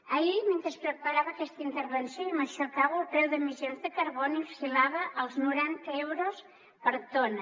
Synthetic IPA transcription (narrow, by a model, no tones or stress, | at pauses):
əiment̪ɾəspɾəpəɾaβəːkɛst̪əint̪əɾβənsjoiməʃəɾkaβəlˠpɾɛwðəmizjonzðəkəɾβɔniusilaβəʔəlˠznuɾant̪əɛwɾos | pəɾt̪onə